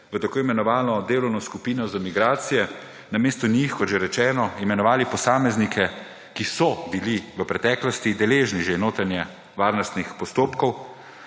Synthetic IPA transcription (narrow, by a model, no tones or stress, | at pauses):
ʋət̪akoːimɛnɔʋaːlɔd̪eːlɔwnɔskupiːnɔzamiɡɾaːt̪sijɛ | nameːst̪ɔnixkɔt̪ʒeɾɛt͡ʃɛːnɔimɛnɔʋaːlipɔsaːmɛznikʰɛ | kisɔbiliʋəpɾɛt̪ɛːklɔst̪id̪ɛleːʒniʒenoːt̪ɾanjɛ | ʋaːɾnɔst̪nixpɔst̪oːpkɔw